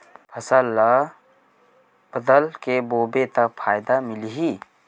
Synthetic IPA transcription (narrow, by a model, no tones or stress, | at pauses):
pʰəsəlːa | b̥əd̪əlkeboːbet̪əpʰaːjd̪amɪlɦiː